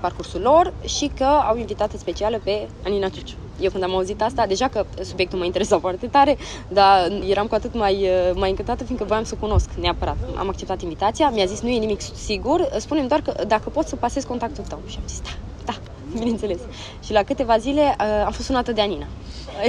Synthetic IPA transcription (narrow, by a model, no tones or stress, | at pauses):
parkursulo̞rʃikəawinvit̪at̪səspe̞t͡ʃialəpe̞aninat͡ʃut͡ʃu̥ | jewkɨnd̪amauzit̪ast̪ad̪e̞ʒakəsubje̞kt̪ulmaint̪eɾe̞safoart̪e̞t̪aɾe̞ | d̪aje̞ɾamkuat̪ɨt̪majəmajɨŋkɨnt̪at̪əfinkəvojamsəkuno̞skneapəɾat̪a̰mak̚t͡ʃe̞p̚t̪at̪invit̪at̪sijamiazisnuje̞nimiksiɡurəspunemd̪oarkəd̪akəpot̪səpase̞zko̞nt̪ak̚t̪ult̪əwʃiamzisd̪ḁ | d̪̥a | bine̞nt̪se̞le̞s | ʃilakɨt̪e̞vazile̞əamfost̪sunat̪əd̪e̞anina